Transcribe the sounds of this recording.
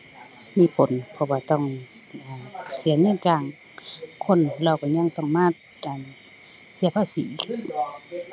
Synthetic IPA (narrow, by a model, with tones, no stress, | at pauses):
miː˧˥˨pʰo˨˦npʰɔ˧˨waː˧t̪ɔ˧˥˨ŋ | ʔaː˨˩si˨˦ɲɯ˧˥˨nt͡ɕaː˧˩ŋ | kʰo˧˥˨n˧la˧˩wkɔː˧˩ɲa˧˥˨ŋt̪ɔ˧˩˨ŋmaː˧˥˨t̪̚ʔa˨n | si˧˦pʰaː˧˥˨sḭː˨˦˧ɯ˧˥˨n